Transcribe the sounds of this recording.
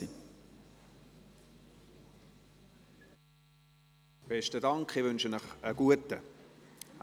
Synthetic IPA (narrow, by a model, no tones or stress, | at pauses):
i | b̥ɛʃtədɑŋkχɪvʏnʃənəχəɡ̥uətə